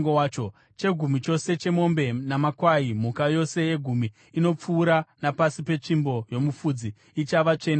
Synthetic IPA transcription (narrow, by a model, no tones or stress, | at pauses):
ŋɡowat͡ʃo | t͡ʃe̞ɡʱumit͡ʃo̞se̞t͡ʃe̞mo̞mbe̞namakwaim̤ukajo̞se̞je̞ɡʱumi | ino̞p͡fuːɾanapasipe̞t͡ʂimbo̞jo̞mufud͡ziː | t͡ʃaʋat͡ʂe̞na